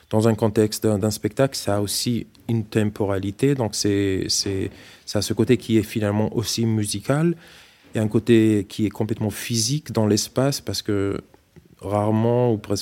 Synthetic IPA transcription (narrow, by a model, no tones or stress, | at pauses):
d̪̥ɑ̃zɛ̃kɔ̃t̪ɛkst̪d̪ɛ̃spɛk̚t̪aklsaːosi | ynt̪ɑ̃pʰɔʁalit̪ed̪ɔ̃ksɛsɛsasəkot̪ekʲʰiɛfinalmɑ̃ʔosimyzikal | jaɛ̃kot̪ekʲʰiɛkɔ̃plɛt̪mɑ̃fizikd̪ɑ̃lɛspaspaʁsə̥kə | ʁaʁmɑ̃upʁɛs